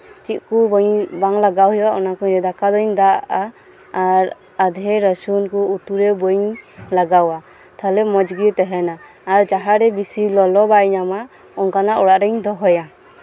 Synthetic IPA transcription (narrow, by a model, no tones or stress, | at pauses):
t͡ʃit̪̚kubɔɲbaŋlaɡawɦɛwaʔɔnakɔɲɾɛd̪akad̪ɔɲd̪aaː | ɾ | ad̪ʱɛɾəsunkuut̪uɾɛbɔjɲlaɡawa | t̪ʰalɛmɔd͡ʒɡit̪ɛɦɛnaː | ɾd͡ʒaɦaɾɛbisilɔlɔbajnama | ɔŋkanaʔɔɽaʔɾɛɲd̪ɔɦɔja